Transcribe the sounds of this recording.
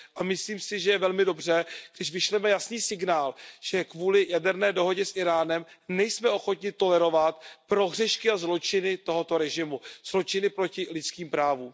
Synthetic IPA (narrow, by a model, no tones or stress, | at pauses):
ʔamɪsliːmsɪʒɛjɛvɛlmɪdo̞br̝ɛɡ̥dɪʃvɪʃlɛmɛjasniːsɪɡnaːlʒ̥ɛkvuːlɪjadɛɾnɛːdo̞ɦo̞ɟɛsʔɪɾaːnɛmnɛjsmɛo̞xo̞t̪ɲɪt̪o̞lɛɾo̞vat̪pɾo̞ɣr̝ɛʃkɪazlo̞t͡ʃɪnɪt̪o̞ɦo̞t̪o̞ɾɛʒɪmuz̥lo̞t͡ʃɪnɪpɾo̞cɪlɪt͡skiːmpɾaːvuːm